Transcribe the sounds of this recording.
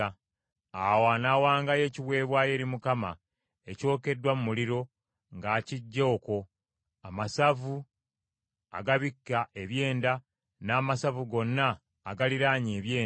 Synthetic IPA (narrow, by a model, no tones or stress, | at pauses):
awaːnaːwaːŋɡaje̞ːciβwe̞ːβwaːje̞ːɾimukama̰ | e̞co̞ːke̞dːwamumuliɾo̞ | ŋɡaːciɟːo̞ːko̞ | amasavu | a̰ɡaβikːaʔe̞βje̞ːnda | naːmasavuɡo̞nːaː | ɡaliɾaːɲe̞ːβjeː